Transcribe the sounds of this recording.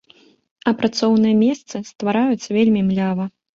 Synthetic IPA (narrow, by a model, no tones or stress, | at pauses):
ɐpɾat̪sɔwnɨjɐmʲɛst̪sɨst̪vaɾajut̪sːɐvʲelʲmʲimlʲavɐ